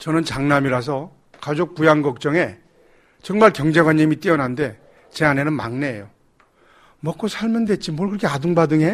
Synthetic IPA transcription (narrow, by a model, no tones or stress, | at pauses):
t͡ɕʌnɯnt͡ɕaŋnamiɾas̬ʰʌ | kad͡ʑok̚pujaŋɡʌk̚t͡ɕ͈ʌŋe̞ | t͡ɕʌŋmaɭkjʌŋd͡ʑe̞ɡwaɲːimit͈iʌnande̞ | t͡ɕe̞ane̞nɯnma̰ŋne̞ːjo | mʌk͈osʰaɭmjʌndwe̞t̚t͡ɕ͈imwʌɭkɯɾʌkʰeaduŋbadɯŋe̞